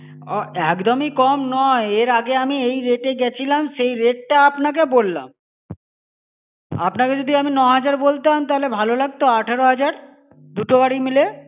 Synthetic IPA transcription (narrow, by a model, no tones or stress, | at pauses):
ɔɛkd̪omikɔmnɔeeɾaɡeamiejɾeʈeɡɛt͡ɕʰilamʃejɾeʈ̚ʈaapnak̬ebolːa̰m | a̰pnaked͡ʑod̪ʱiaminɔɦad͡ʑaɾbolt̪amt̪aɦolebʱalolaɡ̚t̪oaʈʰeɾoɦad͡ʑaɾ | d̪uʈobaɽimile